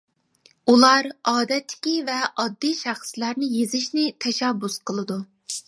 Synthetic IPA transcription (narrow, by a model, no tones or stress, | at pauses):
ulˠɑɾɑːd̪ɛt̪ʰːɪ̥kʲivɛʔɑd̪ːijʃæχslæɾnɪjezɪʃnɪt̪ʰɛʃɛbːusqʰəlˠɨd̪u